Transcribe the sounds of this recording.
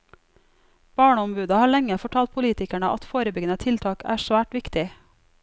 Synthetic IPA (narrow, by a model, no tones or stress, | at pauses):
b̥ɑːɳəɔmbʉːd̪ɑhɑːɭɛŋəfɔʈʰɑːlt̪̚pʰʊliːt̪ɪkæɳəʔɑt̪foːɾəbʏɡənət̪ʰɪlt̪ʰɑːkæ̰ːʃʋæːʈʋɪkt̪ɪ